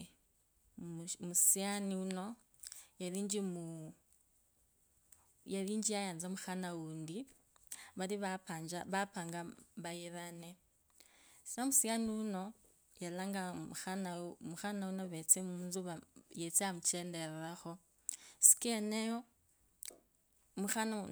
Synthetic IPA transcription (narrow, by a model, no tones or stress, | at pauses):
musianiuno̞ | jaliːɲd͡ʒimu | jaliːɲd͡ʒijajaːnzamuxanawuːndi | βaliβapand͡ʒaβapaːŋɡaβajiɾane | sisamusianiwuno̞ | jalaŋɡamuxanamuxanaunoβet͡semunzuβajet͡seamut͡ʃendeɾeɾaxo̞ | si̥kenejo | muxana